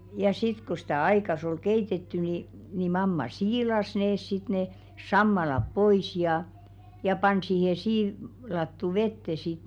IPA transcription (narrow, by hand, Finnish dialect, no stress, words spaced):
jɑ sit ku stæˑ ɑikɑs ol keitetːy ni ni mɑmːɑ siːlɑs neːs sit ne sɑmːɑlɑp pois jɑˑ jɑ pɑn siːhe siː lɑtːu ʋetːe sit